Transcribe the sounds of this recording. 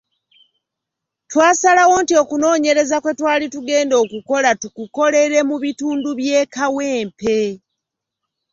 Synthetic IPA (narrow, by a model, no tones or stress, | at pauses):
twaːsalawo̞ntio̞kuno̞ːɲe̞ɾe̞zakwe̞twaːlituɡe̞ːndo̞ːkuko̞latukuko̞le̞ɾe̞muβituːnduβje̞ːkawe̞ːmpe̞